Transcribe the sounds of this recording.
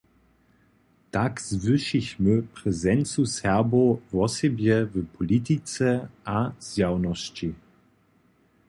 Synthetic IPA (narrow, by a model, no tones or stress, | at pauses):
takz̥vɪʃiçməpʁɛzɛnt͡sushɛʁbovɔsɛbjɛvəpʰɔlit̪it͡sɛʔazjawnɔɕt͡ɕi